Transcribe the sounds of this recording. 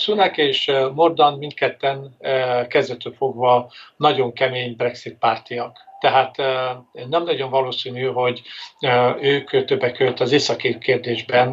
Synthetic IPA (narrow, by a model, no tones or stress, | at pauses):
sunɛkeːʃmo̞rd̪ɒnmint̪kɛt̪ːɛnkɛzd̪ɛt̪øfo̞ɡvɒnɒɟo̞ŋkɛmeːɲbrɛksit̪̚paːrt̪ijɒkt̪ɛɦaːt̪nɛmnɒɟo̞ɱvɒloːsiːnyɦo̞ɟ | øːkt̪øbːɛkːøøt̪ːɒzeːsɒkikeːrd̪eːʒbɛn